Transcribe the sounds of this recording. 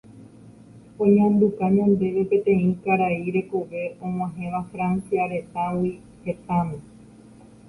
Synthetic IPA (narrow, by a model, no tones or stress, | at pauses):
õɲãmbukaɲãnd̪e̞ʋe̞pe̞t̪ẽ̞ĩkaɾaiɾe̞koʋe̞õ̞ŋ̃ãɦẽ̞ʋafɾansiaɾe̞t̪awi | he̞t̪ãmẽ